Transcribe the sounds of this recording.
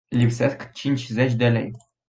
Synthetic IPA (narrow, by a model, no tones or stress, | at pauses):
lʲipseskt͡ʃint͡ʃʲzet͡ʃʲd̪elḛj